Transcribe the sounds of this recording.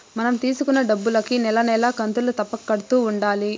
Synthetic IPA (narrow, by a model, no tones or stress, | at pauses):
mɐnɐmt̪iːsukunːɐɖɐbːulɐkinɛlɐnɛːlɐkɐnt̪ulut̪ɐpːɐkːɐɽut̪uːuɳɖaːli